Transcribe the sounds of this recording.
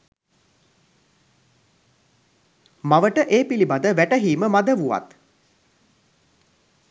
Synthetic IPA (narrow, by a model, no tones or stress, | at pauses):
maʋəʈəʔeːpilibad̪əʋæʈəɦiːməmad̪əʋuʋa̰t̪